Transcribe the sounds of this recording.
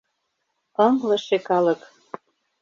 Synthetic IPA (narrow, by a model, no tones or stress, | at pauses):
ɤŋlɤ̆ʃekɑlɤ̆k